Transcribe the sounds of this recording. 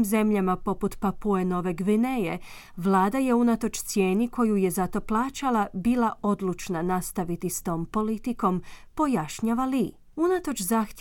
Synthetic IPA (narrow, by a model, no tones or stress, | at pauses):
mze̞mʎamapo̞put̪papueno̞ʋe̞ɡʋine̞je | ʋlˠaːd̪aje̞unat̪o̞t͡ʃt̪sje̞ːniko̞juje̞zat̪o̞plˠaːt͡ʃalˠabiːlao̞d̪lˠut͡ʃnanast̪aʋit̪ist̪o̞ːmpo̞lit̪iko̞mpo̞jaʃɲaːʋali | unat̪o̞t͡ʃzaxt̪